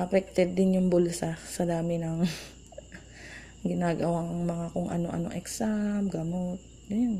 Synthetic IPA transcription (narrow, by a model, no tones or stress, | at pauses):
ʔɐpɛk̚t̪ɛd̪̚ːɪnjʊŋbʊlsasɐd̪aːmɪnɐŋ | ɡɪnaːɡɐwaŋŋmɐŋakʊŋʔɐ̰no̞ʔɐ̰no̰ʔɛksamɡɐmot̪̚ | jjn